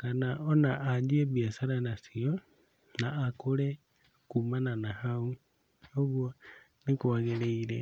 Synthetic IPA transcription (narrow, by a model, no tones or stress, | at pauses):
kanaonaʔaɲd͡ʒieβjasaɾanasio | naːkule | kumananahau | oβwonikuaɣeleiɾḛ